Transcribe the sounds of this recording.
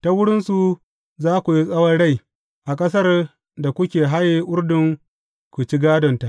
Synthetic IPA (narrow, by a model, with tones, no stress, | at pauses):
ta˦wʊ˦ɽɪ˦nsu˨ | zaː˦kʷu˨ji˦sʼɐ˦wɐ˦rɽa˦j | ʔa˨kʼɐ˦s̬ɐ˦r | da˨kʷʊ˦kʲeː˨ɦa˦jeː˦ʔʊ˦rdʊ˨ŋ | kʷu˨t͡ʃi˦ɡaː˦dɔ˨nta˨ʔ